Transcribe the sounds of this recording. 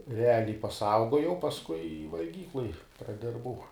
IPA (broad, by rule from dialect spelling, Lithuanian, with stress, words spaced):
rʲɛˈɑːlʲɛɪ pɐˈsɐʊɡoːjɛʊ pɐsˈkʊɪ ɪ ʋɐlʲˈɡʲiːklˠoːj prɐˈdʲɪrbɐʊ